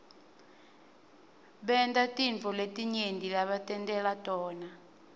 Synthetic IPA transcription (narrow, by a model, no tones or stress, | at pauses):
ɓɛndatʼiɱvʱɔletʼiɲendilaɓatʼɛntʼɛlatʼɔːna